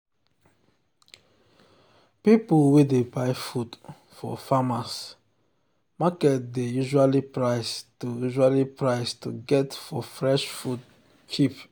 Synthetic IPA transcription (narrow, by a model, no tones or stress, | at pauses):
pipulwedebaɪfut | fɔ̰famas | makɛt̚dejuʒualipɹaɪstujuʒualipɹaɪstṵɡɛtfɔfɹɛʃfud | t͡ʃip